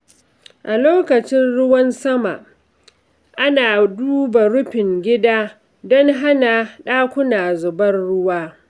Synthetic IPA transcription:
ʔa˨loː˦kɐ˨t͡ʃɪ˦nɽʊ˦wɐ˦nsɐ˦ma̰˨ʔ | ʔa˦naː˨duː˦ba˨ɾʊ˦ɸɪ˨ŋɡʲɪ˦daː˦ | dɔ˦ŋɦa˦na˨ɗaː˦kʷʊ˦naː˨zʊ˨bɐ˦nɽʊ˦waː˦

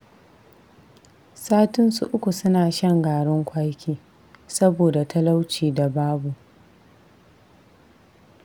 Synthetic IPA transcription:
saː˦tɪ˦nsṵ˨ʔʊ˦kʷu˨sʊ˦naː˨ʃɐ˦ŋɡaː˨ɽɪ˦ŋkʷa˦jkʲiː˦ | sɐ˦boː˨da˨tʰɐ˦la˦wt͡ʃiː˨da˨baː˦bu˨ʔ

